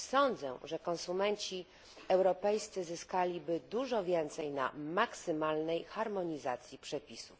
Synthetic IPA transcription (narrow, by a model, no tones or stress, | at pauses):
sɔnd̪zɛ̰ʐɛkɔnsumɛnt͡ɕi | ɛwɾɔpɛjst̪sɘzɘskalʲibɘd̪uʐɔvʲjɛnt̪sɛjna̰maksɘmalnɛjxaɾmɔɲizat̪sʲjipʂɛpʲisuf